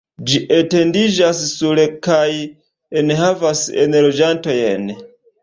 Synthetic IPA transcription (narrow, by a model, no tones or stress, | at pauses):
d͡ʒiʔete̞ndid͡ʒassuɾekaj | enɦavasḛnlo̞d͡ʒanto̞jḛn